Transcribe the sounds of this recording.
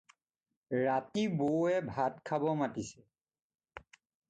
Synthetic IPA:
ɹatiboɛbʱatkʰabɔmatisɛ

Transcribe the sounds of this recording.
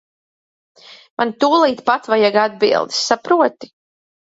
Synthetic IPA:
mant̪uːlˠiːt̪pat̪vajaɡad̪̚bḭlˠd̪i̥sːapɾuɔt̪i̥

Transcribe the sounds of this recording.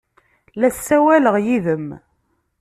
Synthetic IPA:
læsːæwæləʁjiðəm

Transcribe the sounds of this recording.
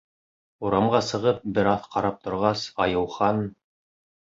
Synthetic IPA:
uɾɑmɢɑsɤ̆ʁɤp̚bɘɾɑθqɑɾɑp̚t̪ŏɾʁɑsɑjɤ̆wχɑn

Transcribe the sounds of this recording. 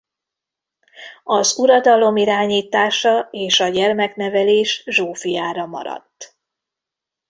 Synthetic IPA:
ɒzuɾɒd̪ɒlo̞miɾaːɲiːt̪aːʃɒeːʃɒɟɛrmɛknɛvɛleːʃʒoːfijaːɾɒmɒ̰ɾɒ̰t̪ː

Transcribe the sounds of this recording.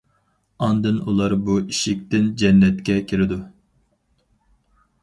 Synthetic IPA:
ɑnd̪ɨnulˠɑɾbuiʃik̚ʲt̪ɪnd͡ʒɛnːɛt̪kʲɛkʲʰiɾɪd̪u

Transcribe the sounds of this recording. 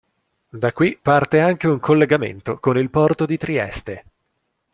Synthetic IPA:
d̪akːwipːart̪eaŋk̟euŋkʰolːeɡamḛnt̪okonilpɔrt̪od̪it̪ɾiɛ̰st̪e

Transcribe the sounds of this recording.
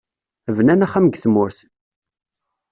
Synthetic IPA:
əvnænæχæməɡθmʊɾθ

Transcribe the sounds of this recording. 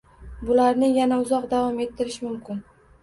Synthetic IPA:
bʊlaɾnɪjanaʊzɒqd̪avɒme̞t̪ʰːɪɾɪʃmʊmkʲʰɪn

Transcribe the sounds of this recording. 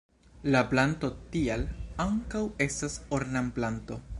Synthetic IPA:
laplanto̞tialaŋkawe̞stasoɾnamplanto̞

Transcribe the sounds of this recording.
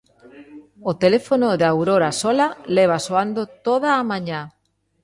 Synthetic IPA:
ot̪elefonoðawɾoɾasolaleβ̞asoand̪ot̪oðaːmãɲa

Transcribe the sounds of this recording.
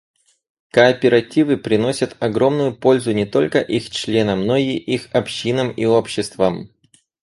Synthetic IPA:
kəːpʲɪɾɐtʲivɨpɾʲɪno̞sʲət̪ɐɡɾo̞mnʊjʊpo̞lʲzʊnʲɪt̪o̞lʲkəʔixt͡ɕlʲe̞nəmno̞iʔixɐpɕːinəmio̞pɕːɪst̪vəm

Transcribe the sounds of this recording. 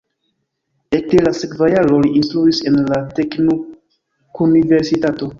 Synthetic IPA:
ek̚delasekvajaɾo̞liinstɾuise̞nlate̞kno | kunive̞ɾsitato̞

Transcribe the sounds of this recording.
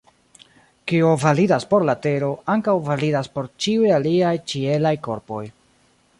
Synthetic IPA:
kiuvalidaspo̞ɾlate̞ɾo̞aŋkawvalidaspo̞ɾt͡ʃiujaliajt͡ʃie̞lajko̞ɾpo̞j

